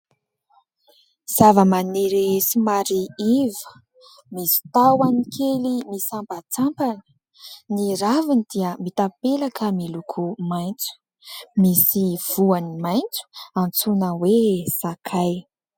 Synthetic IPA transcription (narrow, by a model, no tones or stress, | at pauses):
z̥avəmaneɾesimaɾiivə | misi̥t̪awanikʰelimisampat͡sampanə̥ | niɾavinid̪iəmit̪apelakʰəmilukʰumajnt͡su̥ | misiv̥uanimajnt͡su̥ant͡sunəwesakʰaj